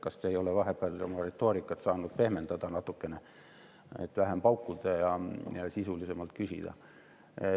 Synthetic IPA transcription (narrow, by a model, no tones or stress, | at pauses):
kɑst̪ejo̞leʋɑɦepːˑæːlomɑret̪ːˑo̞ːɾikːˑɑt̪sɑːnud̪̥̚pe̞hme̞nd̪̥ɑd̪̥ɑnɑt̪ːˑukːe̞ne | ḛt̪ʋæɦempɑwkːud̪ɑjɑjɑsisulise̞mɑlt̪kysʲḭd̪̥ɑ̰